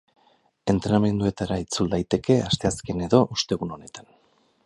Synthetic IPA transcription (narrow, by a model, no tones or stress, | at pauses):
e̞nt̪ɾe̞name̞nd̪ue̞t̪aɾait͡suld̪ajt̪e̞ke̞ast̪e̞aske̞ne̞ðo̞ʔust̪e̞ɣuno̞ne̞t̪ḁn